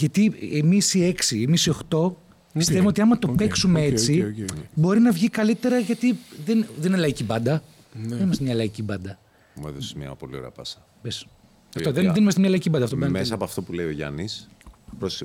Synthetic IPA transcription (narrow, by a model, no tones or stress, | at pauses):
ʝɐt̪iemisie̞ksiemisio̞xt̪o̞ | pist̪evuo̞t̪iɐmɐt̪o̞peksumeet͡sibo̞ɾinɐvʝikɐlit̪e̞ɾɐʝɐt̪iðenðenlɐicibɐnd̪ɐ | ðenimɐst̪emɲɐlɐicibɐnd̪ɐ | meðosmɲɐ̰polioɾḛɐpɐsɐ̥ | bes | ɐft̪oðenðenimɐst̪emɲɐlɐicibɐnd̪ɐft̪oɐmesɐːpoɐft̪o̞puleio̞ʝɐ̰nispɾos